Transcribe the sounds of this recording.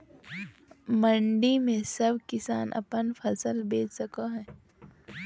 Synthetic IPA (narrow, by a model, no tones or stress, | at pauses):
mɐ̃ɳɖimẽsɐbʱkɪsaːnʔɐ̰pənfʰɐsəlbeːt͡ʃsəkaɦɛ̃ː